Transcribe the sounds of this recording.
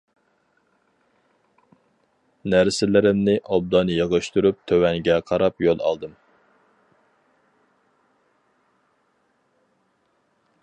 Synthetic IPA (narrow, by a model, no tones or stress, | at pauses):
næɾsɪlɪɾɪmnɪʔɑb̚d̪ɑnɨjəʁəʃt̪uɾup̚t̪ʰøwɛŋɡʲɛqʰɑɾɑpjolˠɑ̰lˠd̪ɨm